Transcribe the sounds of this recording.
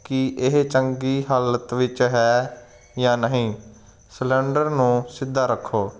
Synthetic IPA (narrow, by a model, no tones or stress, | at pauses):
kɪʔɪɦt͡ʃəŋɡiːɦaːlət̪ʋɪt͡ʃɦɛː | jãːnəɦĩː | slɛ̃ːɳɖəɾnũːsɪd̪ʱːaːɾəkʰːoː